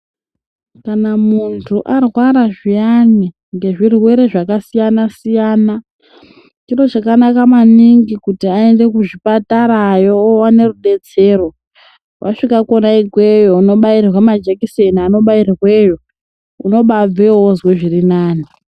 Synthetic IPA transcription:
kanamuntʰuʔarwaɾaʐijani | ŋɡe̞ʐirwe̞ɾe̞ʐakasijanasijaːna | t͡ʃiro̞t͡ʃakanakamaniŋɡikutiaende̞kuʐipataɾajowane̞ruɗe̞t͡se̞ːɾo̞ | wʔaʂikakonaikwejouno̞ɓairrwamad͡ʒekisenano̞ɓairrwejo̞ | uno̞ɓab͡vewozweʐirinaːni

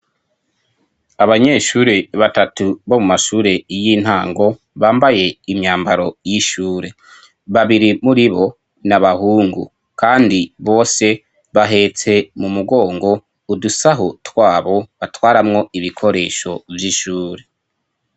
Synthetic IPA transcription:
aβaɲe̞ʃuːɾe̞βatatuβo̞mumaʃuːɾe̞jin̥haːŋɡo̞ | βaːmbaje̞imɲaːmbaɾo̞jiʃuːɾe̞ | βaβiɾimuɾiβo̞ | naβahuːŋɡṵ | kaːndiβo̞ːse̞ | βaɦe̞t͡se̞mumuɡo̞ːŋɡo̞ | udusaɦotwaːβo̞βatwaːɾamŋo̞iβikʰo̞ɾe̞ːʃo̞vjiʃuːɾe̞

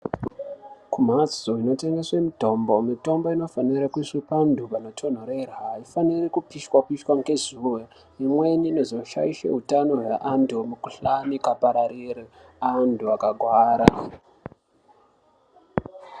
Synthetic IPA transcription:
kum̤ad͡zoino̞te̞ŋɡe̞swemito̞mbo̞mito̞mbo̞ino̞faniɾakuisipandʱupano̞tʰo̞n̤oɾe̞raːifanirikupiʃwakiʃwaŋɡezuwe | imwe̞ninezoʃa̰iʃḛɦutano̞ɦweʔandumukuɬamikapaɾaɾirianduakaɡʱwaːɾa

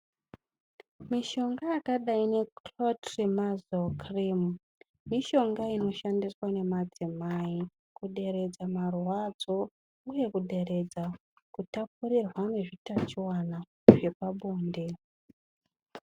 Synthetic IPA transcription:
miʃo̞ŋɡajakaɗaine̞klotrimazokrim | miʃo̞ŋɡaino̞ʃandiswane̞mad͡zimaaːi | kuɗe̞ɾe̞d͡zamarwad͡zo̞ | uje̞kuɗe̞re̞d͡za | kutapurirwane̞ʐitat͡ʃiwana | ʐ̥e̞paɓoːnde

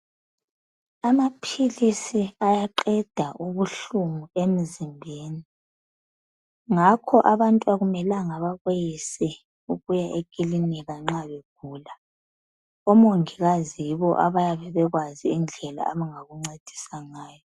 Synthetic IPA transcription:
amapʰilisiajaǃɛd̥ʱaʔuβuɬumuem̩zimbʱeːni | ŋakʰɔʔaβantʼuaɣumɛlaŋaβaɣojisɛ | uɣujaʔeɡ̥ʱʼiliniɣaŋ͡ǁaβeɡ̥ʱuːla | ɔmoŋiɣazijiβɔʔaβajaβɛβɛɣwaziːnd͡ɮʱɛla̰ʔaβaŋaɣuŋ͡ǀed̥ʱi̥saŋaːjɔ

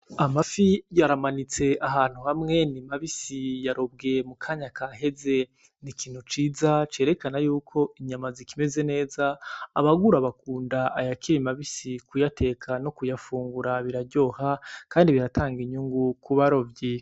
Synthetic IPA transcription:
amafijaɾamanit͡se̞ʔaɦaːn̥huhamŋe̞nimaβisijaɾob̚ɡe̞mukʰaɲakaɦe̞ze̞ | nikiːn̥hut͡ʃiːzat͡ʃe̞ːɾe̞kanajuːkʰo̞iɲamazikime̞ze̞ne̞ːzaːβaɡuɾaβakuːndaːjakiɾimaβisikujatʰe̞ːkʰano̞kujafuːŋɡuɾaβiɾaɾɟo̞ːhakaːndiβiɾataːŋɡiɲuŋɡukuβaɾo̞vji

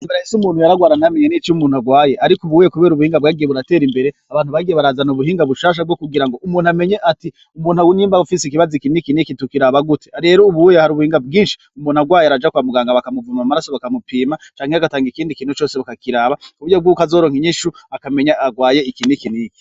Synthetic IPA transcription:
imbeeesumuːn̥hujaɾaɡwaːɾanameɲenit͡ʃumuːnuaɡwaːje̞ʔaɾikuβuuːjekuβe̞ːɾuβuhiːŋɡabɡaːɡije̞βuɾate̞ːɾimbe̞ɾe̞aβaːn̥uβaɡijeβaɾaːzanuβuɦiːŋɡaβuʃaːʃ̬ab̚ɡokuɡiɾaŋɡo̞ʔumuːnhuame̞ɲeʔati | umuːnhuawuniːmbaβufisik̬iβazikinikinikitukiɾaβaɡuteɾe̞ɾouβuujehaɾuβuhiːŋɡabɡiːnʃi | umuːn̥uaɡwaːjeaɾad͡ʒakwamuɡaːŋɡaβakamuvumamaɾasoβakamupiːmat͡ʃaːŋheaɡataːŋɡikiːndikiːn̥hut͡ʃo̞ːseβakakiɾaːβakuβuɟobɡuːkazo̞ːɾoŋhiɲiʃuakame̞ɲaaɡwaːje̞ikinikiniki

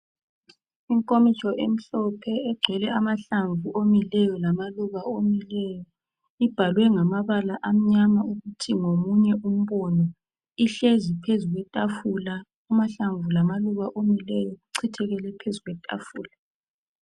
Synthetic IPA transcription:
iŋkʼomit͡ʃʼɔʔem̩ɬɔpʰɛɛɡ͡ǀʱɛlɛamaɬaɱvuʔomilɛjɔlamaluɣaomilɛːjɔ | ib̥ʱalwɛŋamaβalaʔam̩ɲamauɣutʰiŋomuɲɛʔum̩βɔnɔ | iɬezipʰezuɣwɛtʼafula | umaɬaɱvulamaluɣaʔomilɛjɔuǀʰitʰɛɣɛlɛpʰezuɣwɛtʼa̰fuːla

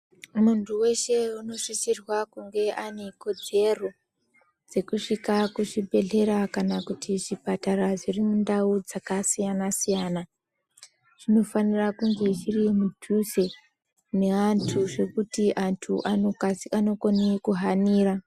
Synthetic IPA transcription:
muntuwe̞ʃe̞uno̞ʂit͡ʃirwakuŋɡe̞ʔaneko̞d͡ze̞ro̞ | d͡ze̞kuʂikakuʐibʱe̞ɮe̞ɾakanakutiʐipataraʐirimundaud͡zakasijanasijaːna | ʐ̥ino̞fanirakuŋɡe̞ʐirimudʱuse̞ | ne̞antʰuʐe̞kutiʔantʰuʔaano̞konikuɦaniːra

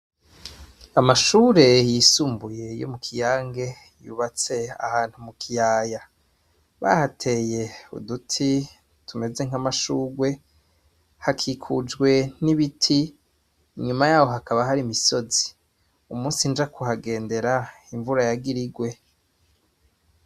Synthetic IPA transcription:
amaʃuːɾe̞jisuːmbuje̞jo̰mukʰijaːŋɡe̞ | jṵβat͡se̞a̰haːn̥humukʰijaːja | βa̰hatʰe̞ːje̞ṵdutʰi | tume̞ze̞ŋ̥amaʃuːɡwe̞ | hakʰikʰud͡ʒɡwe̞niβitʰi | ɲumajaːwo̞ɦakaβaɦaɾimiso̞zi̥ | umuːnsind͡ʒakuɦaɡe̞ːnde̞ɾa | iɱvuɾajaɡiɾiɡwe̞

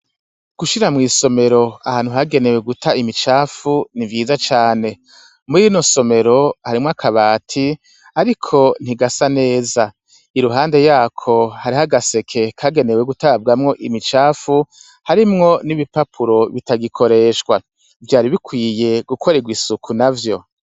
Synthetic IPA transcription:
ɡ̥uʃiɾamŋiːso̞me̞ɾo̞ahaːnhuɦaɡe̞ne̞we̞ɡutʰaimit͡ʃaːfunivjiːzat͡ʃaːne̞ | muɾiino̞so̞me̞ɾo̞haɾimŋoakʰaβaːtʰi | aɾikʰo̞n̥iɡasane̞ːza | iɾuɦaːnde̞jaːkʰo̞haɾihaɡase̞kʰe̞kʰaɡe̞ne̞we̞ɡutabɡamŋo̞ʔimit͡ʃaːfu | haɾimŋo̞niβipapʰuɾo̞βitaɡikʰo̞ɾe̞ːʃɡwa | vjaːɾiβikwiːje̞ɡ̥ukʰo̞ɾeɡwisukʰunavjo̞

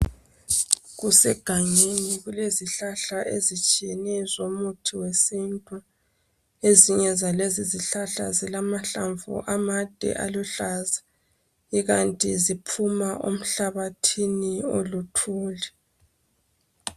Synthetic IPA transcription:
ɣusɛɡ̥ʱaŋeniɣuleziɬaɬaʔezit͡ʃʼijɛnɛzomutʰiwesintʼu | eziɲɛzaleziziɬaɬa̰zilamaɬa̰ɱvṵʔamad̥ʱɛ̰ʔa̰luɬaza | iɣantʼizipʰumaʔo̰m̩ɬaβatʰiniolutʰuːlɛ

